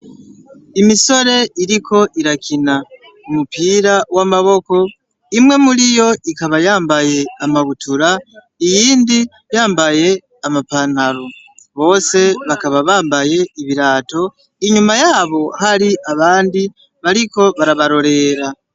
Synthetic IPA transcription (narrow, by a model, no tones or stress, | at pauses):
imiso̞ɾe̞iɾiko̞ʔiɾakina | umupiːɾawamaβo̞ko̞ | imwe̞mulijo̞ikaβajaːmbaje̞amaβutuɾa | ijiːndi | jaːmbaje̞ | amapan̥aɾo | βo̞ːse̞βakaβaβaːmbaje̞iβiɾaːto̞ | iɲumajaːβo̞haɾiʔaβaːndi | βaɾiko̞βaɾaβaɾo̞ɾe̞ːɾa